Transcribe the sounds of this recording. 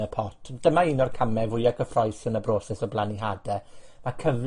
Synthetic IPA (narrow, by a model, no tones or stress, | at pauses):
əpʰɔtʰd̥əmainɔrkʰamɛvʊjaɡʰəfrɔjsənəbroːsɛsɔblaniɦaːdɛmakʰəv